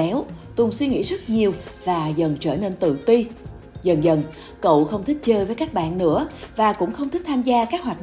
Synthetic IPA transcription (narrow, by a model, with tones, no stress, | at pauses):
ɛ˨˦wt̪ʊ˨˩ŋswi˧ŋḭ˧˥zə˦˥t̚ɲi˨˩əwvaː˨˩zə˨˩nt͡ɕəː˧˩ne˧nt̪ɨ̰˧˨t̪i˧ | zə˨˩nzə˨˩n | kə̰˧˨wxə˧wŋ͡mt̪ʰï˦˥k̟̚t͡ɕəː˧jvəː˨˦jkaː˦˥k̚ɓa̰ː˧˨nːɨ̰˧˥əvaː˨˩kʊ̰˧˥ŋ͡mxə˧wŋ͡mt̪ʰi˦˥k̚t̪ʰaː˧mzaː˧kaː˦˥k̚ɦwaː˨˩˨